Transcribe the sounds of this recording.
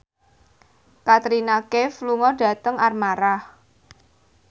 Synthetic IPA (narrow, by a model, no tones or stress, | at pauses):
kat̪ɾinakefluŋɔd̥ä̤t̪əŋarmaɾah